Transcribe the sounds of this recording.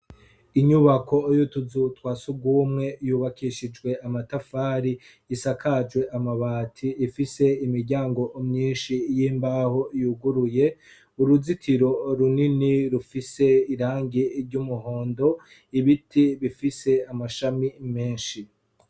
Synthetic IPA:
iɲuβakʰo̞jutuzutwaːsubɡwuːmŋe̞juːβakʰiʃid͡ʒɡwe̞ʔamatafaːɾiː | sakʰad͡ʒwe̞ʔamaβaːtʰiːfise̞imiɾɟaːŋɡo̞ʔːmɲiːnʃijiːmbahoijuɡuɾuje̞ | uɾuzitʰiɾo̞ɾuniniɾufise̞iɾaːŋɡiɾɟumuho̞ːndo̞ | iβitʰiβifise̞amaʃamime̞ːnʃi

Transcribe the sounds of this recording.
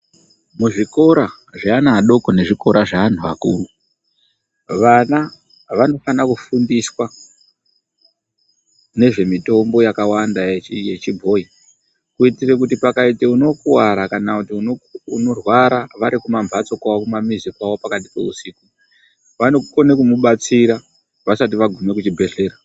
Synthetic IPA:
muʐiko̞ɾa | ʐaːnaːɗo̞kone̞ʐiko̞ɾʔaʐaan̤uʋakṵːru | ʋana | ʋano̞fanakufundiswa | ne̞ʐe̞mito̞mbo̞jakawandaeje̞t͡ʃibʱo̞ːi | kuitirek̬utipakaiteuno̞kuwaɾakanakutiununo̞rwaɾaʋaɾikumamvʱat͡so̞kaokumamizikwawo̞pakat̬i̥pe̞̰usiːku | ʋanokonekumuɓat͡siɾa | ʋasat̬iʋaɡʱume̞kut͡ʃibʱe̞ɮe̞ːra

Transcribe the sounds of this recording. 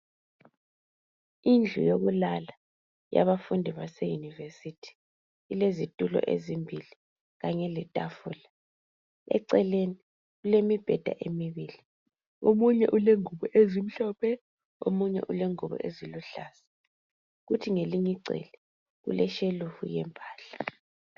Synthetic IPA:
ind͡ɮʱṵjoɣulala | ja̰βafundʱiβasɛjunivesitʰi̥ː | lezitʼulɔ̰ʔḛzimbʱili | ɣaɲɛlɛtʼafuːla | ɛ̰ǀɛleni | ɣulemib̥ʱɛd̥ʱa̰ʔemiβiːli | omuɲɛ̰ʔuleŋuβɔʔezim̩ɬɔːpʰɛ | o̰muɲɛ̰ʔuleŋuβɔ̰ʔeziluɬaːsḁ | ɣutʰiŋeliɲiǀɛ̰lɛ | ɣṵlɛʃelufṵjɛ̰mpʼaːɬḁ

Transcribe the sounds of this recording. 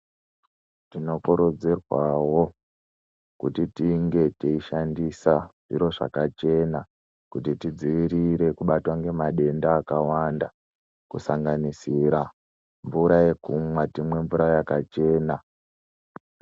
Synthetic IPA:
tino̞kuɾud͡zirwawo̞ | kutitiŋɡe̞teiʃandisaʐ̥iɾo̞ʐa̰kat͡ʃe̞na | kutitid͡ziʋiɾiɾe̞kuɓatwaŋɡe̞maɗe̞ndaːkawanda | kusaŋɡanisiɾa | ɱvuɾaje̞kumwatimwe̞ɱvuɾaojakat͡ʃe̞ːna

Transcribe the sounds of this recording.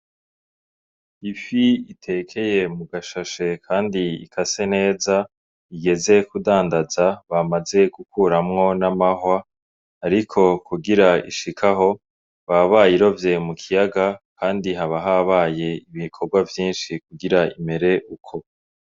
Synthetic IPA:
ifiitʰe̞kʰe̞je̞muɡaʃaʃe̞kʰaːndiḭkʰase̞ne̞ːza | iɡe̞ze̞kudaːndazaβamaze̞ɡ̥ukuɾamŋo̞namaɦwaː | ɾikʰo̞kuɡiɾaḭʃikʰaɦo̞ | βaβaːjiɾo̞vje̞mukʰijaɡakʰaːndiɦaβaɦaβaːje̞iβikʰo̞ɾɡwavjiːnʃikuɡiɾaime̞ɾe̞ʔukʰo̞

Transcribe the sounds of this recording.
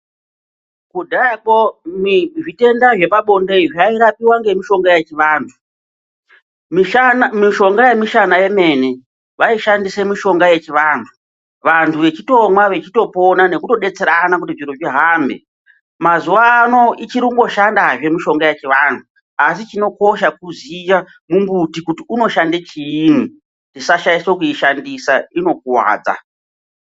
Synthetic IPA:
kudʱakomiʐite̞ndaʐe̞paɓo̞ndeiʐiaiɾapiwaŋɡe̞miʃo̞ŋɡaje̞t͡ʃiʋaːntʰu̥ | miʃo̞ŋɡaje̞miʃanaje̞me̞ne | ʋaiʃandise̞miʃo̞ŋɡaje̞t͡ʃiʋaːntʰu | ʋantʰuʋe̞t͡ʃito̞mwaʋe̞t͡ʃito̞po̞nane̞kuto̞ɗe̞t͡se̞ɾanakutiʐiɾoʐiɦaːmbe̞̰ | mazuʋaːno̞it͡ʃiɾikuŋɡo̞ʃandaʐe̞miʃo̞ŋɡaje̞t͡ʃiʋantʰu | as̬it͡ʃino̞ko̞ʃak̚uzija | mumbutikutiuno̞ʃandet͡ʃiːni | ndisaʃaiswokuiʃandisaino̞k̚uwa̰ːd͡za̰

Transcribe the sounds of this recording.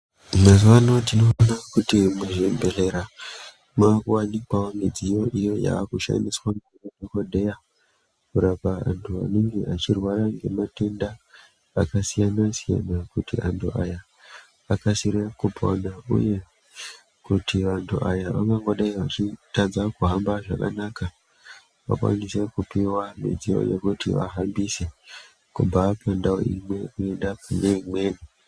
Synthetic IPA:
mazwano̞tino̞ːnakutimuʐembere̞ɾa | mawanikwawomid͡zijo̞ʔijo̞ja̰ːkuʃa̰niswaŋekaɗokoɗe̞ja | kuɾapaa̰ntʰua̰neŋɡeʔat͡ʃirwaɾaŋɡe̞̰mate̞ndaː | kasijanasija̰nakutḭʔantʰuʔa̰ja | akasiɾekuponaṵje̞ | kutiʋantʰuʔajaʋakaŋɡo̞ɗaiʋat͡ʃitad͡zakuɦambaʐaka̰naka | ʋa̰kwa̰nise̞kupiwamḛd͡zio̞̰je̞̰kutiʋa̰ɦambise̞ | kubʱapʰandao̰ḭmwe̞uendapaneimweːni

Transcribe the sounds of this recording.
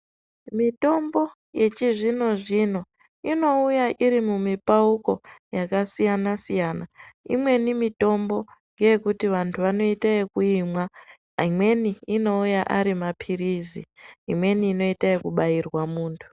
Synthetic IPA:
mito̞mbo̞ | je̞t͡ʃiʐino̞ʐino̞ | ino̞ujaʔiɾimumipauko̞jakasijanasijaːnaḭmwe̞nimito̞mbo̞ | ŋɡe̞je̞kutiʋantʰuʋano̞itaekuimwa | imwe̞niːno̞ujaʔaɾimapʰirizḭːmwe̞niːno̞itaekuɓairwamuːntʰu̥

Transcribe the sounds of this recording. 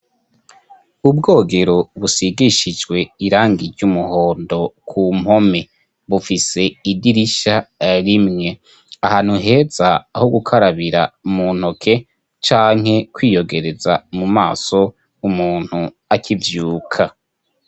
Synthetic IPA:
ubɡo̞ːɡe̞ɾo̞βusiɡiʃid͡ʒɡwe̞iɾaːŋɡiɾɟumuho̞ːndo̞kʰumho̞me̞ | βufise̞idiɾiʃaɾimŋe̞ | ahaːn̥huɦe̞ːzaːhoɡukʰaɾaβiɾa̰mun̥hokʰe̞ | t͡ʃaːŋ̥he̞kwiːjo̞ɡe̞ɾe̞zamumaːso̞ | umuːn̥hu | akʰivjuːkʰa

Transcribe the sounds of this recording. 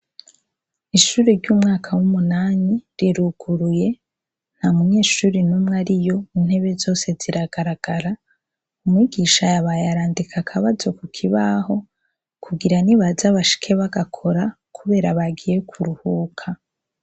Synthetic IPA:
iʃuɾeɾɟuːmŋaːkʰawumunaːniɾiɾuɡ̥uɾuje̞ | n̥hamuɲe̞ːʃuːɾinumŋaɾijo̞in̥he̞βe̞zo̞ːse̞ziɾaɡ̥aɾaɡ̥aɾa | umŋiɡiːʃajaβajaɾaːndikʰakʰaβazo̞kukʰiβaɦo̞ | kʰuɡiɾaniβazaβaʃi̥kʰe̞βaɡakʰo̞ɾa | kʰuβe̞ːɾaβaɡije̞kʰuɾuhuːkʰa

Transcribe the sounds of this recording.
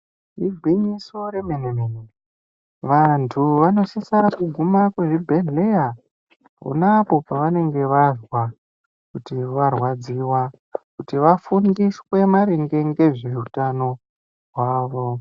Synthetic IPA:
riɡʱwiɲiso̞ɾemenemene | ʋantʰuʋano̞sisaɾakuɡʱumakweʐibʱe̞ɮea | ṵnapo̞paʋane̞ŋɡe̞ʋaʐwa | kutiʋarwad͡ziwa | kutiʋafundiswe̞maɾeŋɡe̞ŋɡe̞ʐiutano̞ | ɦwaːʋo̞

